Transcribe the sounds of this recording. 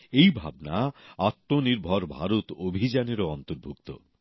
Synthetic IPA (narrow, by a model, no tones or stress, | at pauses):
ejbʱa̰bnaat̪ːoniɾbʱɔɾbʱaɾut̪obʱid͡ʑaneɾoɔnt̪oɾbʱukt̪o̰